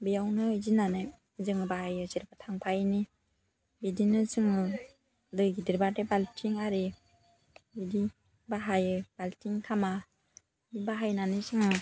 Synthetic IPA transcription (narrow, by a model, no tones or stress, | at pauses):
bijawnɯɯzinanɯ | zɯŋɯbaɦajɯziɾbatʰaŋpʰajni | bidinɯzɯŋɯ | dɯjɡidiɾbadebaltʰiŋaɾi | bidi | baɦajɯbaltʰiŋkʰama | bibaɦajnanɯzɯŋɯ